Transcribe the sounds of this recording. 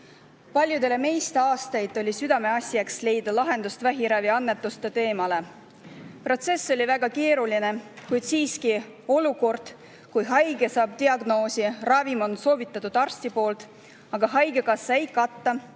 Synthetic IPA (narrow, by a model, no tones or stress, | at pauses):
pɑlʲjud̪e̞le̞me̞jst̪eɑːst̪ɑjd̪ˑo̞lʲisyd̪̥ɑme̞ɑsʲjɑksle̞jd̪̥ɑlɑɦe̞nd̪̥ust̪væɦiɾæviɑnːe̞t̪ːˑust̪et̪e̞ːmɑle̞ | pro̞t̪se̞sːo̞lʲivæɡ̥ɑke̞ːɾuline̞kujd̪̥siːski | o̞luko̞rd̪̥ | kujɦɑjɡ̥e̞sɑːb̥̚t̪iɑɡno̞ːsirɑvimo̞nso̞ːvit̪ːˑɑt̪ːud̪̥ɑrst̪ipo̞ːlt̪ | ɑɡ̥ɑɦɑjɡ̥e̞kɑsːɑe̞jkɑt̪ːɑ